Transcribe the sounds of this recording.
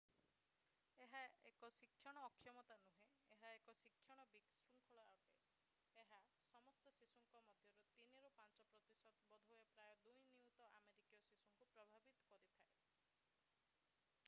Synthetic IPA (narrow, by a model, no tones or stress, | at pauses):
eɦaekɔsikʰːjɔɽ̃ɔːkʰːjɔmɔt̪anuɦe | eɦaekɔsikʰːjɔɽ̃ɔbiksɾuŋkʰɔɭɔaʈe | eɦasɔmɔst̪ɔsisuŋkɔmɔd̪ʱjɔɾut̪iniɾupant͡ʃɔpɾɔt̪isɔt̪bɔd̪ʱuepɾajɔd̪ujniut̪ɔʔameɾikijɔsisuŋkupɾɔbʱabit̪ɔ̥kɔɾit̪ʰae